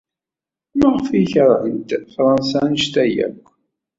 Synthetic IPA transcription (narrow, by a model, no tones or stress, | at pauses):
maʁfiçəɾˤʕənt̪fɾˤɑnsænʃt̪æjæ̰kʷː